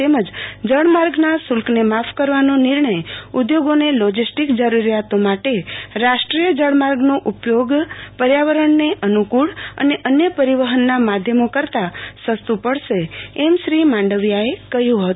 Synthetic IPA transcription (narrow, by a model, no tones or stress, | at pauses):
t̪eməd͡ʒd͡ʒəɳmaɾɡnasʊlknemapʰkəɾʋanonɪɾɳəjud̪joɡonelɔd͡ʒisʈikd͡ʒəɾuɾjat̪omaʈeɾaʃʈɾijəd͡ʒəɽ̃maɾɡnoʔupjoɡpəɾjaʋəɾəɳːeʔənukuɭə̰neʔənjəpəɾiʋəɦənːamad̪ʱjəmokəɾt̪asəst̪upəɽʃeːmʃɾimãɳɖəʋjaekəɦjũɦət̪u